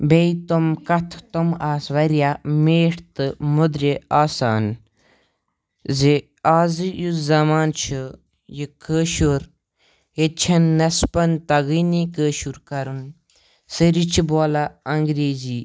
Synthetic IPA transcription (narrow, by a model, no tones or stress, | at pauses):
beit̪omkɐt̪ʰt̪omaːsʋɐɾjameːʈt̪ɨmud̪ɾʲeaːsaːn | ze | aːzɨjuzɐmaːnt͡ʃʰu | jikəːʃuɾ | et͡ʃʰɐnːɐspɐnt̪ɐɡinikəːʃuɾkɐɾun | səɾit͡ʃʰiboːlaɐŋɡɾeːziː